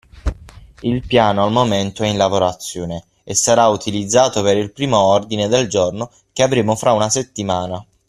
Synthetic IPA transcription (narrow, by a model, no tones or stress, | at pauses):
ilpjaːnoalmoment̪oɛinlavoɾat̪sːjoːne | esːaɾaut̪ilid̪zːaːt̪opeɾilpɾiːmoɔrd̪ined̪eld͡ʒorno | k̟eavɾeːmofɾaunaset̪ːimaːna